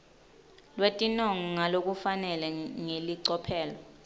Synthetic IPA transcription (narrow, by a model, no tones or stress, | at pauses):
lwetʼinɔŋŋalok̬ʼufanɛlɛŋeliǀɔpʰɛːlɔ